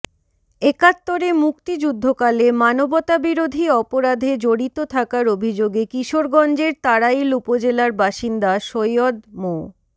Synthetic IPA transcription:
ekat̪ːoɾemukt̪id͡ʑud̪ʱːokalemanobot̪abiɾod̪ʱiɔpoɾad̪ʱed͡ʑoɽit̪ot̪ʰakaɾobʱid͡ʑoɡekiʃoɾɡɔnd͡ʑeɾt̪aɽajlupod͡ʑelaɾbaʃind̪aʃojod̪mo

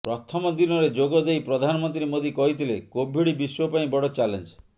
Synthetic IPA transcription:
pɾɔt̪ʰɔmɔd̪inɔɾed͡ʒoɡɔd̪ejpɾɔd̪ʱanɔmɔnt̪ɾimod̪ʱikɔɦit̪ʰilekobʱiɽibiswɔpaĩbɔɽɔt͡ʃalend͡ʒ

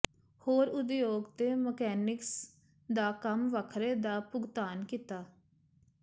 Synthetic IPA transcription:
hoːɾʊd̪joːɡt̪eːməkɛːnɪks | d̪aːkəmʋəkʰɾeːd̪aːpʊɡt̪aːnkiːt̪aː

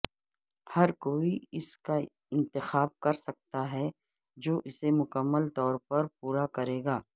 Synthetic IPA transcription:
hɐɾkoːiɪska | ɪ̃nt̪ɪxaːb̚kɐɾsɐk̚t̪aɦɛ | d͡ʒoːʔɪsemʊkəmːəlt̪ɔːɾpɐɾpuːɾakɐɾeːɡaː

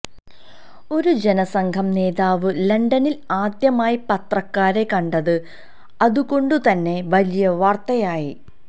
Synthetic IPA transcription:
o̞ɾud͡ʑe̞nɐsɐŋɡʰʱɐmne̞ːðaːʋɨlɐɳɖɐnilaːd̪jɐmaːjipɐt̪rɐkːaːɾe̞kɐɳɖɐðɨ | ɐðuko̞ɳɖut̪ɐnːe̞ʋɐlijɐʋaːrt̪ɐjaːji

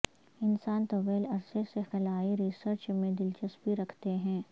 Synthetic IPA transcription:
ɪnsaːnt̪oʋeːlɐɾsesexɪlaːiɾiːsəɾt͡ʃmẽd̪ɪlt͡ʃəspiɾɐkʰt̪eɦɛ̃ː

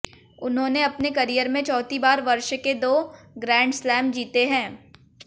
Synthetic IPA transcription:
ʊnɦõːneɐpnekɐɾijəɾmẽt͡ʃɔːt̪ibaːɾʋɐɾʃked̪oːɡɾɛ̃ːɳɖslɛːmd͡ʒiːt̪eɦɛ̃ː

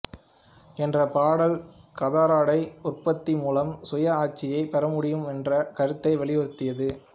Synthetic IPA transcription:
ɛndrɐpaːɽɐlkɐðaːɾaːɽɐɪʊrpɐt̪ːimuːlɐmsʊjɐaːt͡ʃːɪjɐɪpɛɾɐmʊɽɪjɯmɛndrɐkɐɾɯt̪ːɐɪʋɛlɪɐɾɯt̪ːɪjɐðɯ

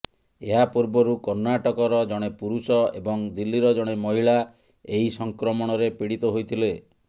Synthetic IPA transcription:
eɦapuɾbɔɾukɔɾnaʈɔkɔɾɔd͡ʒɔɽ̃epuɾusɔebɔŋd̪ilːiɾɔd͡ʒɔɽ̃emɔɦiɭa | eɦisɔŋkɾɔmɔɽ̃ɔɾepiɽit̪ɔɦojt̪ʰile

